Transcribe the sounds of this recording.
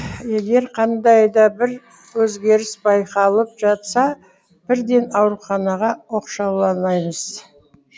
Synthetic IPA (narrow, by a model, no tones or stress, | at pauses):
je̞ɡʲe̞ɾqʰɑnd̪ɑjd̪ɑbɪɾ | wɵzɡʲe̞ɾɪsbɑjqɑlˠəp̚ʒɑt̪sɑ | b̥ɪɾd̪e̞nɑwɾuχɑnɑʁɑwo̞qʃɑwlˠɑnɑjməz̥